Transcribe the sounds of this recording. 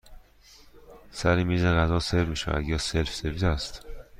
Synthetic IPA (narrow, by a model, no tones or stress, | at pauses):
sæɾimiːzeɣæzɒːseɾmiːʃæ̰væ̰d̪jɒːselfsebiːd̪æst̪